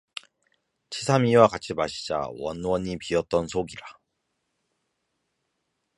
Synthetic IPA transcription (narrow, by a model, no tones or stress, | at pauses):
t͡ɕʰisʰamiwakat͡ɕʰimaɕʰi̥d͡ʑa̰wʌ̰nwʌɲipiʌt̚t͈ʌnsʰoɡiɾa